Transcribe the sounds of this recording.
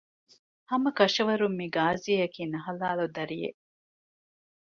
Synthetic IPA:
hɐmɐkɐʃɐʋɐɾumːiɡaːziɐjɐkiːnɐɦɐlaːlud̪ɐɾijḛ

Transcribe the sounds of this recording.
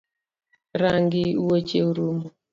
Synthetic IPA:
ɾaŋɡiwot͡ʃeuɾumu

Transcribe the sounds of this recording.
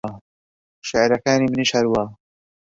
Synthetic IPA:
ʃɪʕɾakaːnimɪniʃaɾwaː

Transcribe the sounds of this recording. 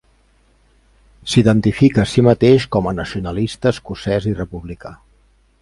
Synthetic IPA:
siðənt̪ifikəːsimət̪eʃkɔmənəsiunəlist̪əskusɛzirəpuβlika

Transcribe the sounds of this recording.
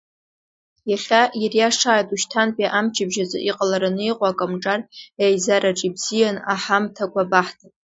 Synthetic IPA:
jaχʲajarjaʂaːjtʼuʃtʰanpʼiʔamt͡ʃʰɪbʒazɨ̰ʔiqʼalaɾanɨjqʷʼaːkʼamʈ͡ʂʼarejzaɾaʈ͡ʂʼibzijanaħamtʰakʷʰabaħtʰapʼ

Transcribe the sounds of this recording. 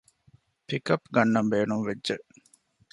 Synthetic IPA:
pikɐpːɡɐnːɐmbeːnumʋedʒeʔ

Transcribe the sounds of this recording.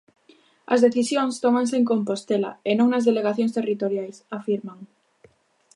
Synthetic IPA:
ɐ̰zðeθisjõŋst̪omãŋs̬eŋkompost̪ela̰enõŋnɐzðeleɣ̞aθjõŋst̪erit̪oɾjajsafiɾmaŋ

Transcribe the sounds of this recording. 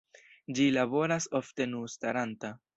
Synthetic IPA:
d͡ʒilabo̞ɾaso̞fte̞nustaɾanta

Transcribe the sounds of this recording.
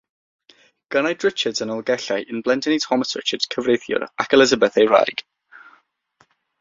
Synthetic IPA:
ɡ̥ənajdɹɪt͡ʃədzənəlˠɡɛɬajʔɪnblɛndɪnitʰɔməsɹɪ̰t͡ʃəd̥z̥kʰəvɹejθjʊ̰ɾakʰɛlˠɪzəbəθejɹa̰jɡ̥

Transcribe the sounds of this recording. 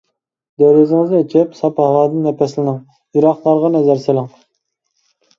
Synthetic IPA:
d̪øɾyzɪŋɨznet͡ʃʰɛpsɑphɑwɑːd̪ɨnɛpʰɛslɪnɪŋ | jiɾɑχlˠɑɾʁɑnɛzæɾselˠɪŋ

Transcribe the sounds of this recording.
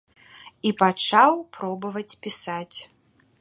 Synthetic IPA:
ipat͡ʂawpɾɔbɐvɐt͡sʲpʲisat͡sʲ

